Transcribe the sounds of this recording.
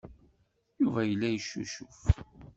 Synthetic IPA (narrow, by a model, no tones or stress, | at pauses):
juvæjəlːæjəʃːṵʃʊf